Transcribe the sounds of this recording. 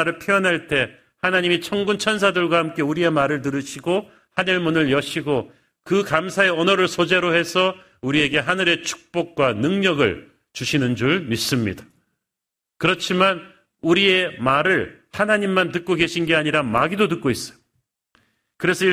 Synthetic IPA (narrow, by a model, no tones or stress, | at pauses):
ɾɯɭpʰiʌnɦaɭt͈e̞ | hanaɲimit͡ɕʰʌŋɡunt͡ɕʰʌns̬ʰadɯɭɡwahamk͈e̞uɾie̞maɾɯɭt̬ɯɾɯɕʰiɡo | hanɯɭmunɯɭjʌɕʰiɡo | kɯkamsʰae̞ʌnʌɾɯɭsʰod͡ʑe̞ɾohe̞sʰʌ | uɾie̞ɡe̞ɦanɯɾe̞t͡ɕʰu̥k̚p͈ok̚k͈wanɯŋɲʌɡɯ̰ɭ | t͡ɕuɕʰinɯnd͡ʑuɭmis͈ɯmɲḭdḁ | kɯɾʌt͡ɕʰiman | uɾie̞maɾɯɭhanaɲimːantɯk̚k͈oɡe̞ɕʰinɡe̞aɲiɾamaɡidotɯk͈̚ois͈ʌ̥jo | kɯɾe̞sʰʌi